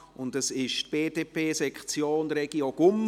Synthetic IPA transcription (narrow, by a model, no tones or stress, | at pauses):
ʊntəsɪʃtb̥eːd̥eːpʰeːsɛkt͡sjoːnɾɛɡ̥ioɡ̥ʊm